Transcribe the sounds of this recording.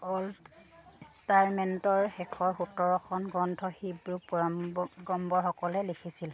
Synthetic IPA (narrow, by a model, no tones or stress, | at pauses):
ɔl | staɹmɛntɔɹxɛkʰɔɹxutɔɹɔkʰɔnɡɔndʱɔhibɹup | ɡɔmbɔɹxɔkɔlɛlekʰisil